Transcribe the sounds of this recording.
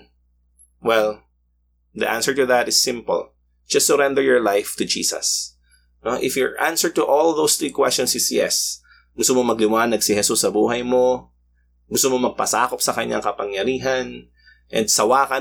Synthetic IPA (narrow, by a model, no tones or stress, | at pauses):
wɛl | d̪ḭʔã̰nsɛɹt̪ʊðɐt̪ɪsːɪ̃mpʊ̰l | d͡ʒ̥ɐstsʊɾɛnd̪ɛɹjɔɹlajft̪ʊd͡ʒḭːsɐ̰s | noʔɪfjɔɹʔansə˞d̚t̪ʊʔolðowsθɹiːkwɛst͡ʃɔ̃nsɪsjɛ̰s | ɡʊst̪ʊmomɐɡlɪwaːnɐɡ̚sɪhɛsusːɐbuːɦɐjmo | ɡʊst̪omomɐɡ̚pɐ̰sa̰ːkop̚sɐkɐɲa̰ŋkɐpɐŋjɐɾiːɦɐn | ʔɛ̰̃nd̪̚sɐwaːkɐ